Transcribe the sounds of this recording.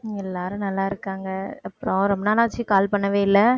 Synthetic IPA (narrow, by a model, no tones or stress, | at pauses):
ɛlːaːɾɯ̃nɐlːaːɪɾɯkːaːŋɡɐɐpːɯɾɔ̃ɾɔmbɐnaːlaːt͡ʃːikaːlpɐɳːɐʋeːɪlːɐ